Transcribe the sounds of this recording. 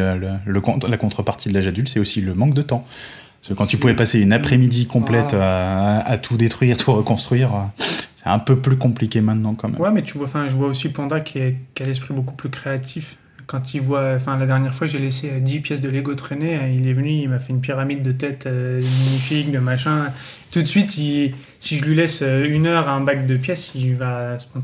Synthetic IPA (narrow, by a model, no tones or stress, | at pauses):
ølələkɔ̃lakɔ̃t̪χəpaʁt̪ʰid̪əlaʒad̪ylt̪sɛosiləmɑ̃k̚d̪ət̪ɑ̃ | səkɑ̃t̪ypuvɛpaseynapχɛmid̪ikɔ̃plɛt̪øat̪ʰud̪et̪χɥiːʁt̪ʰuʁəkɔ̃st̪χɥiːʁəsɛɛ̃pøplykɔ̃plikʲemɛ̃t̪nɑ̃kɑ̃mɛ̰wɛmɛt̪yvwaɑ̃fɛ̃ʒəvwaosipɔ̃d̪akʲʰiɛkʲialɛs̬pχibokuplykχeat̪ʰif | kɑ̃t̪ivwãfɛ̃lad̪ɛʁnjɛʁfwaʒeleseəd̪ipjɛsd̪əleɡot̪χeneilɛvənyilmafɛynp̬iʁamid̪ːət̪ɛt̪ʰød̪əmaɲifik̚d̪əmaʃɛ̃t̪ut̪sɥit̪i | siʒəlɥilɛsøynœʁaɛ̃bak̚d̪əpjɛsivasə̥pɔ̃